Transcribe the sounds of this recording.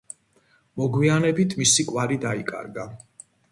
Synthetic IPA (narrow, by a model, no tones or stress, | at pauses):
mɔɡwianɛbit̪ʰmisikʼwaɾid̪aikʼa̰ɾɡa